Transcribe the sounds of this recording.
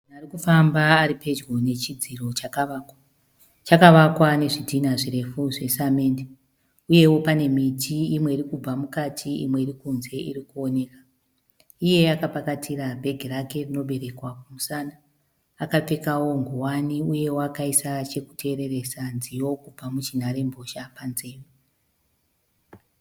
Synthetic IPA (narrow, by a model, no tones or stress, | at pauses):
unarikufambaːɾipe̞d͡ʒɡo̞ne̞t͡ʃid͡ziro̞t͡ʃakaka | t͡ʃakaʋakwane̞ʐidʱinaʐire̞fuʐe̞samende | uje̞wo̞pane̞mitʰiimwe̞iɾikub͡vamukatʰiḭmwe̞irikunze̞ḭɾikuone̞kḁ | ije̞akapakatʰiɾabʱe̞ɡʱiɾake̞rino̞ɓe̞ɾe̞kwakumusanaː | kap͡fe̞kawo̞ŋɡuwaniuje̞woakaisat͡ʃe̞ku̥tʰe̞ːɾe̞re̞sanzijo̞kub͡vamut͡ʃin̤aɾe̞mbʱo̞ʃapanze̞ːro